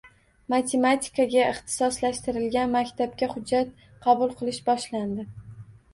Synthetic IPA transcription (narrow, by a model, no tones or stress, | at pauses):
mat̪ʰe̞mat̪ʲʰɪ̥kaɡʲaɪχt̪ʰɪ̥sɒslaʃt̪ɪɾɪlɡʲanmakʲt̪ʰap̚kʲaχʊd͡ʒːat̪̚ | qʰɑbʊlˠqʰɨlˠɪʃbɒʃland̪ɪ